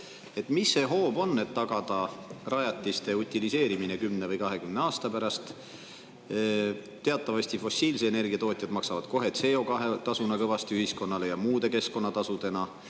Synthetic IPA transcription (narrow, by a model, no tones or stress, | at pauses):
e̞t̪ːmisːe̞ɦo̞ːb̥o̞nːe̞t̪ːɑɡ̥ɑd̪̥ɑrɑjɑt̪ʲːˑist̪e̞ut̪ʲːilise̞ːɾimine̞kymne̞vɤjkɑɦe̞kymne̞ɑːst̪ɑpæɾɑst̪ | t̪ːe̞ɑt̪ːˑɑvɑst̪ifo̞siːls̬eene̞rɡ̥iɑt̪o̞ːt̪ʲˑjɑd̪̥mɑksɑvɑd̪̥ko̞ɦe̞t̪se̞o̞kɑɦet̪ɑsunɑkɤvɑst̪iyhisko̞nːɑle̞jɑmuːd̪̥e̞ke̞sko̞nːɑt̪ɑsud̪̥e̞nɑ